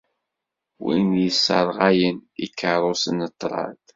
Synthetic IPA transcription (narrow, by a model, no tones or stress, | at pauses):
wḭnjəsːəɾˤʁæjənikʰːəɾˤosənːət̪ːɾˤɑ̰θ